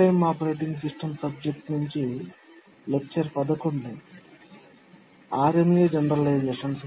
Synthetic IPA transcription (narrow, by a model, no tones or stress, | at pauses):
ɐjmːaːpɐɾeːʈiŋɡs̬iʂʈɐmsɐb̚d͡ʒek̚ʈnuɲt͡ʃi | lek̚t͡ʃɐɾpɐd̪ɐkuɳɖi | aːɾemjed͡ʒɐɳɾɐllɐjd͡ʒlɐʂɐns